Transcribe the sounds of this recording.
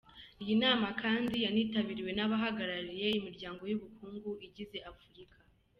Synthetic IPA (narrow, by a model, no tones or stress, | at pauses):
ijinaːmakʰaːndijaniːtaβiːɾiwe̞naβaɦaɡaɾaɾije̞imiɾɟaːŋɡo̞juβukuːŋɡuiɟize̞ʔafuɾikʰḁ